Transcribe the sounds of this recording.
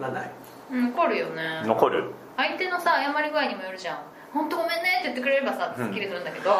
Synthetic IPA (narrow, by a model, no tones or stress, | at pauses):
nana̰ | no̞ko̞ɾɯ̟jo̞ne̞nokoɾɯ̟̰ | ait̪eno̞sajamaɾʲiɡɯ̟aiɲ̟imo̞joɾɯ̟ʑãŋ | hõ̞nt̪o̞ɡomẽ̞nːet̪e̞jɯ̟t̪ːe̞k̬ɯɾe̞ɾe̞basat̪kʲːiɾit̪ɯɾɯ̟̃nd̪aked̪o̞